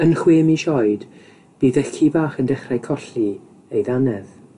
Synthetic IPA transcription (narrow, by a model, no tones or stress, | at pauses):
ənχweːmiʃɔjd̥ | b̥iːðɛkʰibaːχəndɛχrajkʰɔɬi | ejðanɛð